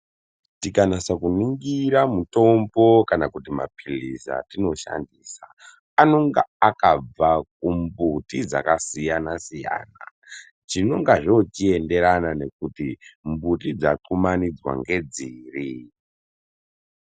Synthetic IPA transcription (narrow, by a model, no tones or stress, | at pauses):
tikanasakuniŋɡiɾamuto̞mbo̞kanakutima̰pʰilisa̰tino̞ʃa̰ndiːsa | ano̞ŋɡaakab͡vak̚umbutid͡za̰kasijanasija̰ːna̰ | t͡ʃino̞ŋɡaʐot͡ʃie̞nde̞ɾanane̞k̚utimbutid͡zaǃumanid͡zwa̰ŋɡe̞d͡ziːri